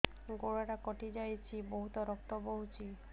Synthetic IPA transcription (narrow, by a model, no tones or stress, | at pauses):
ɡoɽaʈakɔʈid͡ʒajt͡ʃʰibɔɦut̪ɔɾɔk̚t̪ɔboɦut͡ʃʰi